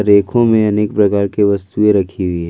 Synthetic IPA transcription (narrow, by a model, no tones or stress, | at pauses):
ɾeːkʰõmẽɐnekpɾɐkaːɾkeʋɐst̪uẽɾɐkʰiɦʊiɦɛ